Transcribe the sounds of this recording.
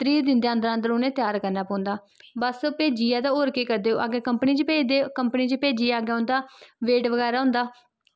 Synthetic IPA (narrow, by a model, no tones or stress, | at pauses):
t̪ɾiːd̪ɪnd̪eaənd̪əɾãnd̪əɾoːnẽːt̪ɪjaːɾkəɾnaːpãːnd̪aː | bəspeːd͡ʒiːaːd̪aːoːɾkeːkəɾd̪eːo̰ːʔaːɡeːkəmpəniːt͡ʃəpeːd̪eːkəmpəniːt͡ʃəpeːd͡ʒiːaːɡeːɦʊ̃nd̪aːʋeːʈʋəɡɛːɾaːɦʊ̃nd̪aː